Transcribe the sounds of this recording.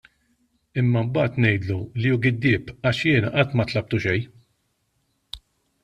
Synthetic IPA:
ɪmːɐmbɐːt̪nɛjd̪lulijuɡɪd̪ːɪːpɐʃjɪːnɐʔɐt̪ːmɐt̪lɐp̚t̪uʃɛj

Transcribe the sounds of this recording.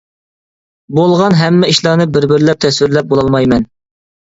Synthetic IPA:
bolˠʁɑnɦɛmːɛiʃlˠɑnɨbɪɾbɪɾlɛp̚t̪ʰɛswɪɾlɛp̚bolˠɑlˠmɑjmɛn

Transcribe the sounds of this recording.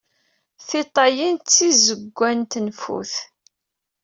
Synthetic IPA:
θit̪ˤɑjint͡sːizəɡʷːænt̪nfṵθ

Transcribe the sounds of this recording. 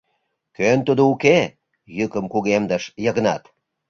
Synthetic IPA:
kønt̪ud̪ouke | jɨkəmkuɣemd̪əʃjəɣnɑt̪

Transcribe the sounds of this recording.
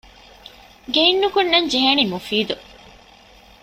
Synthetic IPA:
ɡeinːukunːɐɲd͡ʒeɦenimufiːd̪u

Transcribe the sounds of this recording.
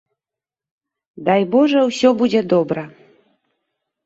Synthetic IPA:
d̪ajbɔʐɛwsʲɔbud͡zʲɛd̪ɔbɾɐ

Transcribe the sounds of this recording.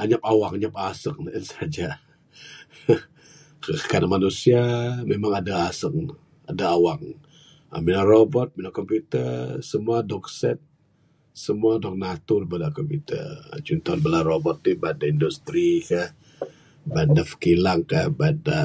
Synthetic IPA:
aɲapawakaɲap̚asək̚naənsad͡ʒa | kəkanamanusiamemaŋadaːsək̚ | adaːwaŋ | ə̰minarobɔt̪̚minakɔmput̪əsəmuadɔk̚sɛt̪̚ | səmuadɔk̚nat̪uɾibadakɔmput̪ə̰t͡ʃunt̪ɔnbəlarobɔt̪̚ːubadaindust̪ɾikah | bandafə̥kilaŋkahbada

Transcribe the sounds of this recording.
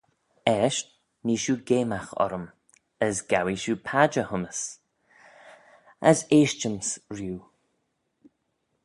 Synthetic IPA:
ɛʃt | niːʃuːɡeːmaxɔ̰ɾəm | əsɡ̥awiʃuːpʰad͡ʒəhʊməs | əseːʃt͡ʃənsɹjuː

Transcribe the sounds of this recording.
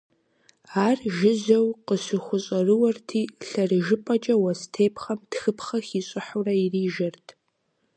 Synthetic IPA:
aːrʒɪzɐwqəsʷɨχʷʊɕʼɐrɨwɐrtʰiːɬɐrʒɪpʼɐt͡ʃʼɐwɐstʰeːpʰχɐmtxɨpʰχɐxʲiɕʷʼɨħurɐiriːʒɐrtʰ

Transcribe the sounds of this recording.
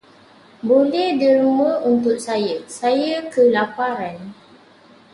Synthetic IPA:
bolɛhdiɾumə̃unt̪ʊʔ̚sajəsajəkəlapaɾan

